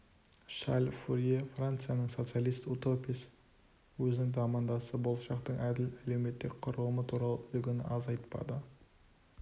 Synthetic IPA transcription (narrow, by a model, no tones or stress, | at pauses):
ʃalʲfuɾjefrant̪sɨjanəɴso̞t̪sijalˠijst̪ut̪o̞pis | wɵzɪnɪŋd̪ɑmɑnd̪ɑsəbo̞lˠʃɑqt̪əɴʔæd̪ɪlæle̞wme̞t̪ːɪk̚ʲqʰʊɾəlˠəmət̪ʰuɾɑlˠə̰ʏlɡʲɪnɪ̰ʔɑzɑjt̪pɑ̰d̪ə